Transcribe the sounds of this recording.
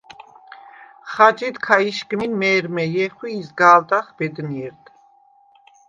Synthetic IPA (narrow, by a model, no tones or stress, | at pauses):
χad͡ʒid̪kʰaiʃkminmɛːɾmɛjɛχwiːzɡaːld̪aχbɛd̪niɛɾd̪